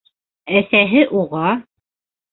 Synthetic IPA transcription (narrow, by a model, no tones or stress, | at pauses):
æθæɦɘʔuʁɑ